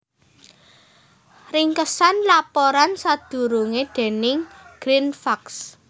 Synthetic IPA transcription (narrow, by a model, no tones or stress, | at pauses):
riŋkəsanlapɔɾansad̪̥ṳɾuŋed̪̥e̤nɪŋɡ̥ɾinfaks